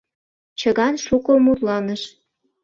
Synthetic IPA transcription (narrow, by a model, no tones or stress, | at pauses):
t͡ɕəɣɑnʃukomurlɑnəʃ